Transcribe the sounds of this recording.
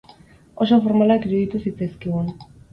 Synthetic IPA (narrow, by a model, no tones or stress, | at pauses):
o̞so̞fo̞ɾmalakiɾuðit̪usit͡seskeɣun